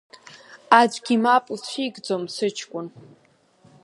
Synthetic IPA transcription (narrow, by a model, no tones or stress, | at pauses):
ad͡ʒʷʼɡʲimapʼlt͡ɕʷʰiɡd͡zomsɨt͡ʃʰkʷʼʊn